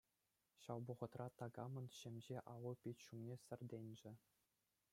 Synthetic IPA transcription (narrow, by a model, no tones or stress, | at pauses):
ɕɑwbuʁɤ̆t̪rɑt̪ɑɡɑmɤ̆nɕemʲʑeʔɑʋɤ̆pʲitʲɕumnʲesʲɘ̆rʲd̪ʲenʲd͡ʑɘ̆